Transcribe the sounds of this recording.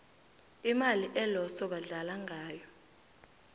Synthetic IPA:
imaliʔɛlɔsɔɓaɮalaŋʱaːjɔ

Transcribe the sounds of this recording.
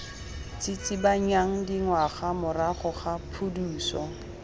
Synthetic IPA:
t͡sʼɪt͡sʼibaɲaŋ̩diŋwaχamʊraχʊχapʰuduːsɔ

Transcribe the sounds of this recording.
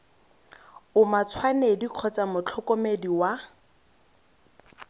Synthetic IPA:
ʊmat͡sʰwanediq͡χʰɔt͡samʊt͡ɬʰɔkɔmediwa

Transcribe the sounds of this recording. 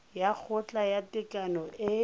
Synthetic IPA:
jak͡xʰʊt͡ɬʼajatɪkʼanɔʔɪ

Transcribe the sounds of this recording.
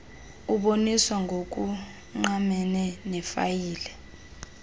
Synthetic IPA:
uɓoniswaŋʱok̬ʼu | ŋ͡ǃamɛnɛnɛfa̰jiːlɛ

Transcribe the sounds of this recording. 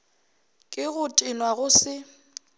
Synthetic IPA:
kʼɪɣʊtʼɪnwaɣʊsɪ

